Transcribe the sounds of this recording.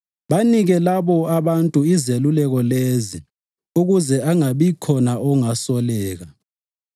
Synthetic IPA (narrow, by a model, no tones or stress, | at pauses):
βaniɣɛlaβɔaβantʼuizelulɛɣɔlezi | uɣuzɛaŋaβikʰɔnaʔɔŋasɔlɛːɣa